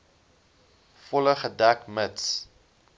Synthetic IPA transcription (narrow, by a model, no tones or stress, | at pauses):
fɔləχədækməts